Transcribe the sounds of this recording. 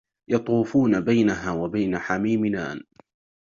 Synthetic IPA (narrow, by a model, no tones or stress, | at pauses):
jɑt̪ˤuːfuːnabajnaɦaːwabajnaħamiːmɪna̰ːn